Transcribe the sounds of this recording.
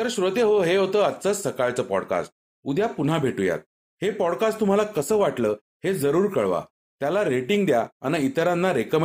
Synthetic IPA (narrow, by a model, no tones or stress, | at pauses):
t̪əɾɕɾot̪eɦoɦeɦot̪əːatːt͡səːsəkaɭt͡səːpɔ̰ɽka̰sʈ̚ | ud̪ʱjapun̤abʱeʈuja̰t̪̚ | hepɔɽkasʈt̪um̤alakəsəːʋaʈləː | hed͡zəɾuːɾkəɭʋa̰ | t̪jalaɾeʈiŋɡd̪jaa̰neit̪əɾãnːaɾekəm